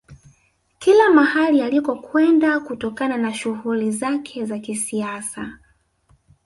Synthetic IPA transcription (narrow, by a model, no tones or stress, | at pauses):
kilamahalialikɔkwɛndakutɔkananaʃuhulizakʰɛzakisiasa